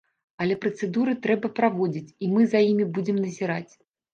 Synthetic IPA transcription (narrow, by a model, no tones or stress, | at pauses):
ɐlʲɛpɾɐt̪sɛd̪uɾɨt̪ɾɛbɐpɾavɔd͡zʲit͡sʲimɨzajimʲibud͡zʲɪmnɐzʲiɾat͡sʲ